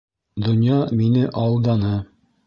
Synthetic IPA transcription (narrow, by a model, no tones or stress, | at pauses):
d̪ŏnjɑminɘʔɒlˠd̪ɑnɤ